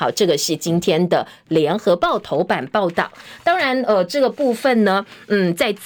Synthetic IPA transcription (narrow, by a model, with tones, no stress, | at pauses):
ɑ˨˩ʊʈ͡ʂɤ˥˩ɡə˩ʂɻ̩˥˩t͡ɕi˥nt̪ʰjɛ˥nd̪ə˨˩ | ljɛ˧˥nxɤ˧˥pɑ˥˩ʊt̪ʰo˧˥ʊpa˨˩npɑ˥˧ʊt̪ɑ˥˩ʊt̪ɑ˥ŋɻa˧˥nə˧ʈ͡ʂɤ˥˩ɡə˩pu˥˧fə˨˩nnə˩n̩˥˩t͡sa˥˧ɪt͡s